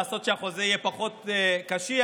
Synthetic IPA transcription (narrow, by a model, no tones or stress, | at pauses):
so̞t̪ʃeaχo̞zeijɛpaχo̞t̪ekaʃi